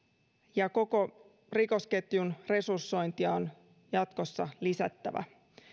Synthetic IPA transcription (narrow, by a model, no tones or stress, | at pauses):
jɑko̞ko̞ | riko̞ske̞t̪junre̞sursːo̞jnt̪iɑon | jɑt̪ko̞sːɑlisæt̪ːæʋæ̰